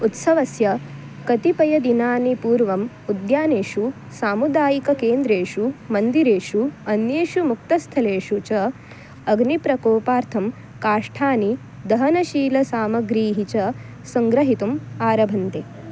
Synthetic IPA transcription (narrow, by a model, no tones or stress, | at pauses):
ut̪sɐʋɐsjɐ | kɐt̪ipɐjɐd̪inaːnipuːɾʋɐm | ud̪jaːneːʂu | saːmud̪aːjikɐkeːnd̪ɾeːʂumɐnd̪iɾeːʂuɐnjeːʂumuk̚t̪ɐst̪ʰɐleːʂut͡ʃɐ | ɐɡnipɾɐkoːpaːɾt̪ʰɐm | kaːʂʈʰaːni | d̪ɐɦɐnɐʃiːlɐsaːmɐɡɾiːɦit͡ʃɐ | sɐŋɡɾɐɦit̪umaːɾɐbʱɐnt̪e